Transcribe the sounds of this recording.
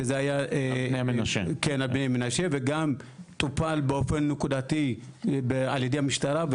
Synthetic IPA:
ezehajaʔeemeʃekenalbnejamenaʃeveɡamt̪upalbeofenːekudat̪i | bealjed̪ehamiʃtaɾav

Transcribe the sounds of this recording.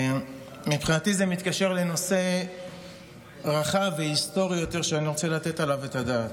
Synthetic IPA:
mipχinat̪izemit̪kaʃe̞ʁleno̞se̞ | ʁaχaveist̪o̞ʁijajo̞t̪e̞ʁʃeaniʁo̞t͡selat̪e̞talavet̪ad̪aːt̪

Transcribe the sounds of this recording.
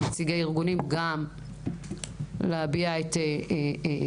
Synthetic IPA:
met͡siɡeiʁɡunimɡam | lehabiaet̪e

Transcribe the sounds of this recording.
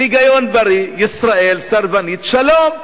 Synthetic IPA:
iɡajonbɐɾijɪsɾaʔelsaɾvaniːt̪ʃaloːm

